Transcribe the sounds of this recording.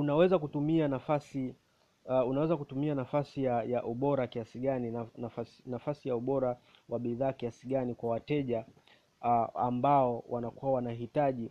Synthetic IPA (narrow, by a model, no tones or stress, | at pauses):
unawɛzakutumianafasi | unawɛzakutumianafasijajaʔuɓɔɾakiasiɠaninanafasnafasijauɓɔɾa | waɓiðaːkiasiɠanikwawatɛʄa | a̰mbaɔwʔanakuwawanaɦitaʄi